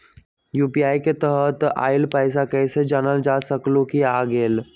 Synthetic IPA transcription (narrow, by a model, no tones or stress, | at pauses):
jupiajket̪əɦət̪a̰ilpəjsakəjsed͡ʒanəld͡ʒasəklokiaɡel